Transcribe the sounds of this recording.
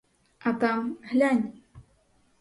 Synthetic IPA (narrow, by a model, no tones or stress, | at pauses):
akamhʎan